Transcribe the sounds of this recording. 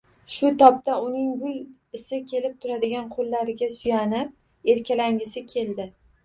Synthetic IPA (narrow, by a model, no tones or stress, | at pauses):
ʃʊt̪ʰɒp̚t̪aʊnɪŋɡʊl | ɪsɪkʲʰe̞lɪp̚t̪ʰʊɾad̪ɪɡʲanqʰolːaɾɪɡʲasʊjanɪp̚ | e̞ɾkʲʰalaŋɡʲɪsɪkʲʰe̞ld̪ɪ